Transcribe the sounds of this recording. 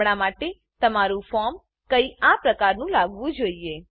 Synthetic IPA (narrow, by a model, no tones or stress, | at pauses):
ɳ̃amaʈe | t̪əmaɾũfɔɾm | kəiapɾəkaɾnũlaɡʋũd͡ʒoie